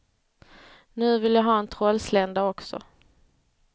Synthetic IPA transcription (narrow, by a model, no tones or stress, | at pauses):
nʉ̟ːvɪljaɦɑːɛnt̪ʰɾɔlslɛnd̪aɔksɔ̰